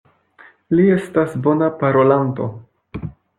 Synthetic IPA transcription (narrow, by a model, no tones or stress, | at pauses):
lie̞stasbo̞napaɾo̞lanto̞̰